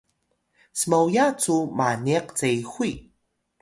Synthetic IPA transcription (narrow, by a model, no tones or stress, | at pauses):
smawjat͡sumaniaqt͡sejxʷi